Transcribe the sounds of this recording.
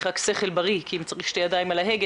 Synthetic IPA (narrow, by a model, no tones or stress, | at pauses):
ʁakse̞χelbaʁikʰiimt͡saʁiχʃtejad̪aimalaɦeɡ